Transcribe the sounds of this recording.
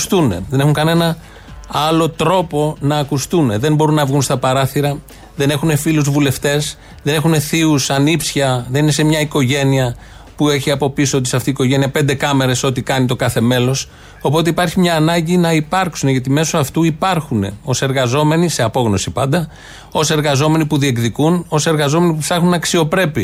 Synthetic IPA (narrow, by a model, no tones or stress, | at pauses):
st̪une̞̰ðe̞ne̞xuŋkɐne̞nɐ | ɐlo̞t̪ɾo̞po̞nɐːkust̪une̞ðe̞mbo̞ɾunːɐvɣunst̪ɐpɐɾɐθiɾɐ | ðe̞ne̞xune̞filuzvule̞ft̪e̞s | ðe̞ne̞xune̞θiusɐnipsçɐðe̞nine̞se̞mɲɐiko̞ʝe̞niɐ | pue̞çiɐpo̞pisoot̪i̥sɐft̪iːko̞ʝe̞niɐpe̞nd̪e̞kɐme̞ɾe̞so̞t̪ikɐnit̪okɐθe̞me̞lo̞s | o̞po̞t̪̬eipɐɾçimɲɐːnɐɲɟinɐipɐɾksuneʝɐt̪ime̞soɐft̪uipɐɾxune̞̰o̞se̞ɾɣɐzo̞me̞nise̞ɐpo̞ɣno̞sipɐnd̪ɐ | o̞se̞ɾɣɐzo̞me̞nipuðie̞kðikuno̞se̞ɾɣɐzo̞me̞nipupθɐxunɐksio̞pɾe̞pi